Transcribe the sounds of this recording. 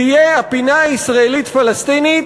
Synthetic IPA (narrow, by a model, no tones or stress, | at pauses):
ijeapinaaisʁaelit̪falest̪init̪